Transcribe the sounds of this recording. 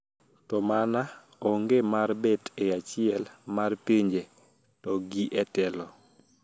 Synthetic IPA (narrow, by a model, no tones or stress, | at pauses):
tɔmana | oŋɡemarbɛteat͡ʃɪɛlmarpeɲd͡ʒe | tɔɡiʔɛtɛlɔ